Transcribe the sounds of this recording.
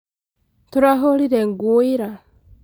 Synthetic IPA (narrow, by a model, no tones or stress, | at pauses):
tuɾaɦoliɾeŋɡuiɾa